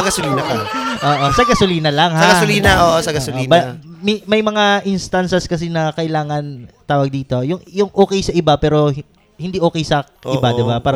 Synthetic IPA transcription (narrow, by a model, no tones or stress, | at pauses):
ɡɐsʊliːnɐkɐʔoːʔosɐɡɐsʊliːnɐlɐŋhsɐɡɐsʊliːnɐʔoːʔosɐɡɐʊliːnɐmɐmɐjmɐŋaʔɪnst̪ansɛskɐs̬ɛnɐkɐʔɪlaːŋɐnt̪aːwɐɡ̚d̪iːt̪o̞jʊŋjʊŋʔoːkɛjsɐʔɪbapɛːɾo̞ | hɪnd̪iːʔo̞ːkɛjsɐʔɪbad̪ɪbapaːɾɐ